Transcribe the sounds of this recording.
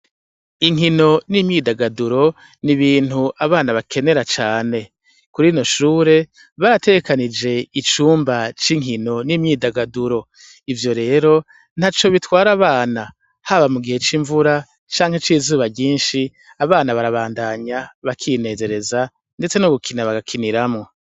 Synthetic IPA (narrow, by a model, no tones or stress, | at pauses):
iŋ̥ɦino̞nimɲiːdaɡaduɾo̞ | niβiːn̥uʔaβaːnaβakʰe̞ne̞ɾat͡ʃaːne̞ | kuɾiːno̞ʃuːɾe̞ | βaɾate̞ɡe̞kanid͡ʒe̞it͡ʃuːmbat͡ʃiŋ̥ɦino̞nimɲiːdaɡaduɾo̞ | ivjo̞ɾe̞ːɾo̞ | n̥hat͡ʃo̞βitwaːɾaβaːna | haβamuɡihe̞t͡ʃiɱvuɾa | t͡ʃaːŋhet͡ʃiːzuːβaɟiːnʃi | aβaːnaβaɾaβaːndaɲaβakʰine̞ze̞ɾe̞za | nde̞t͡se̞nuɡukʰinaβaɡakʰiniɾamŋo̞